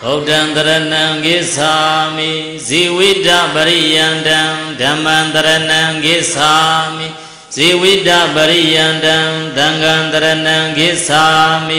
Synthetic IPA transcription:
bodãnt̪əɾənãŋɡɪʔsami | ziwiʔdabəɾijãndãdãmãnt̪əɾənãɡɪʔsami | z̥iwidabəɾijãndãd̪ãŋɡãt̪əɾənãɡɪʔsami

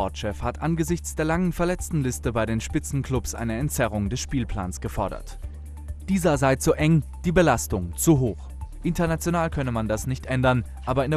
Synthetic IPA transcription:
ɔɐtʃɛfhatʔanɡəzɪçt͡sd̥eːɐlaŋənfɛɐlɛt͡stn̩lɪstəbaɪdeːnʃpɪt͡sn̩kʰl̥ʊpsʔa̰ɪnəɛntt͡sɛʁʊŋdɛsʃpiːlpʰl̥a̰ːnsɡ̥əfɔɐɾɐ̰t | d̥iːzɐzaɪt͡soːʔɛŋd̥iːbəlastʊŋt͡suɦoːx | ʔɪntɐnat͡sjonaːlkʰœnəmandasnɪçtʔɛndɐn | ʔaːbɐɪnde

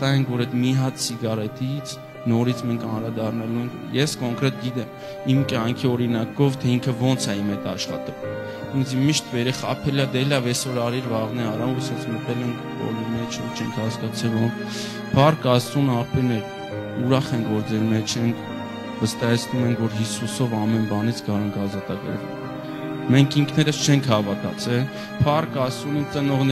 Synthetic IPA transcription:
t̪ɑjɛŋkʰvɔɾɛt̪miɦɑt̪siɡɑrɛt̪it͡sʰ | nɔɾit͡sʰmɛŋkʰɑnɾɑd̪ɑrnɑluŋkʰjɛskɔŋkɾɛt̪ɡit̪ɛm | imkjɑŋkʰiɔɾinɑkɔvt̪ʰɛiŋkʰəvɔnt͡sʰɛimɛt̪ɑʃχɑ̰t̪ɛvu | ind͡zimːiʃt̪vɛɾɛχɑ̰pʰɛlɑd̪ɛlɑvjɛsɔɾɑɾiɾvɑʁnɛɑɾɑɛsjɛsmət̪ɛlɛŋkʰbɔ̰limɛt͡ʃʰɛŋt͡ʃʰɛŋkʰhɑskɑt͡sʰɛlum | pʰɑrkɑsunɑpɛmɛl | uɾɑχɛŋkʰvɔɾd͡zɛɾmɛt͡ʃʰɛnkʰ | vəst̪ɑjɛt͡sʰnumɛŋkʰvɔɾɦisusɔvɑmɛnbɑnit͡sʰɡɑɾɛŋkʰɑzɑt̪ɑɡə̰ɾvɛ̰l | mɛŋkʰiŋkʰnɛɾəst͡ʃʰɛŋkʰhɑvɑt̪ɑ̰t͡sʰɛl | pʰɑrkɑsunit͡sənɔʁn

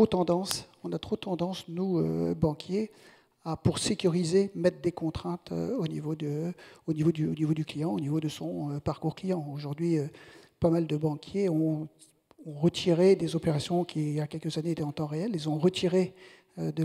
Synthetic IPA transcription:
ot̪ɑ̃d̪ɑ̃sɔ̃nat̪χot̪ɑ̃d̪ɑ̃snuø̰bɑ̃kʲje | apuʁsekʲyʁizemɛt̪χd̪ekɔ̃t̪χɛ̃t̪ø̰onivod̪əonivod̪yonivod̪yklijɑ̃onivod̪əsɔ̃øpaʁkuʁklijɑ̃oʒuʁd̪ɥiøpamald̪əbɑ̃kʲʰjeɔ̃ | ɔ̃ʁət̪ʰiʁed̪ezɔpeʁasjɔ̃kʲʰiljakʲɛlkəzaneet̪ɛɑ̃t̪ɑ̃ʁeɛlelzɔ̃ʁət̪ʰiʁe | ød̪ə

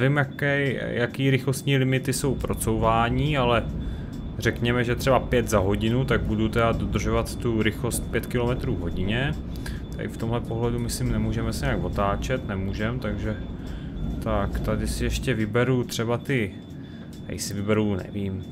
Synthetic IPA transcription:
vɪmjakɛjjakiːɾɪxlo̞st̪ɲiːlɪmɪt̪ɪso̞wpɾo̞t͡so̞wvaːɲiːalɛ | rɛkɲɛmɛʒɛt̪r̥ɛbapjɛt̪zaɦo̞ɟɪnut̪aɡ̚budut̪ɛdadod̪r̩ʒovat̪ːuɾɪxlo̞st̪̚pjɛt̪kɪlo̞mɛt̪ɾuːɦo̞ɟɪɲɛ | t̪a̰ʔɪ̰ft̪o̞mɦlɛpo̞ɦlɛdumɪslimnɛmuːʒɛmɛsɛɲɛaɡvo̞t̪aːt͡ʃɛt̪nɛmuːʒɛmt̪aɡʒɛ | t̪akt̪adɪsɪjɛʃcɛvɪbɛɾut̪r̝̥ɛbat̪ɪ | a̰jsɪvɪbɛɾunɛ̰viːm

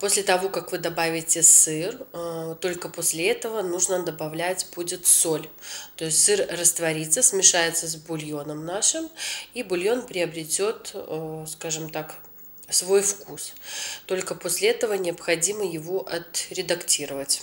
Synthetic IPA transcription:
po̞sʲlʲɪt̪ɐvo̞kakvɨd̪ɐbavʲɪtʲɪsɨrt̪o̞lʲkəposʲlʲɪɛt̪əvənuʐnəd̪əbɐvlʲætʲbudʲɪt̪solʲt̪o̞ɪsʲtʲsɨrrəst̪vɐɾʲit̪səsʲmʲɪʂajɪt̪səzʲbʊlʲjo̞nəmnaʂɨmibʊlʲjo̞npɾʲɪəbɾʲɪtʲo̞t̪skaʐɨmt̪ak | svo̞jfkust̪o̞lʲkəposʲlʲɪɛt̪əvənʲɪɐpxɐdʲiməjɪvoʔɐt̪ɾʲɪd̪ɐktʲiɾəvətʲ

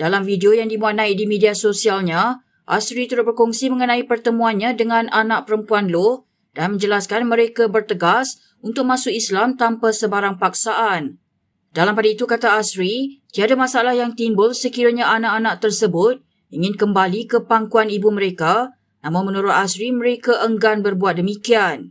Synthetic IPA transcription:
d̥alamfideojaŋdimũat̪̚nãɪʔ̚dimidiasosialɲã | ʔa̰sɾit̪əɾʊt̪̚bərkɔŋsiməŋənãipərt̪əmũanɲãdəŋãnanãʔ̚pəɾəmpuanlʊh | danmə̃ɲd͡ʒəlaskanmə̃ɾekabərt̪əɡas | unt̪ʊk̚mãsʊkislamt̪ampasəbaɾaŋpak̚saʔan | dalampadait̪ukat̪aasɾit̪iadamãsaalahjaŋt̪imbʊlsəkiɾaɲaʔanaʔanãʔ̚t̪ərsəbʊt̪̚ | iŋɪ̃nkəmbalikəpaŋkuanibuməɾeka | nãmʊnmənuɾʊt̪̚asɾiməɾekaʔəŋɡanbərbuat̪̚dəmikian

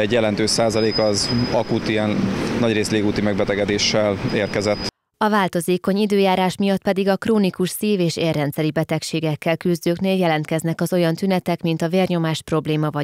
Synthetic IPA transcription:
ɛɟjɛlɛnt̪øːʃsaːzɒleːkɒzɒkut̪iɛnnːɒɟreːsleːɡuːt̪imɛɡ̚bɛt̪ɛɡɛd̪eːʃːɛleːrkɛzɛt̪ː | ɒvaːlt̪o̞zeːko̞ɲid̪øːjaːɾaːʃmijɒt̪̚pɛd̪iɡɒkroːnikuʃsiːveːʃeːrːɛnt̪sɛɾibɛt̪ɛkʃeːɡɛkːɛlkyzd̪øːkneːljɛlɛnt̪̚kɛznɛkɒzo̞jɒnt̪ynɛt̪ɛkmint̪ɒveːrɲo̞maːʃpro̞bleːmɒvɒ

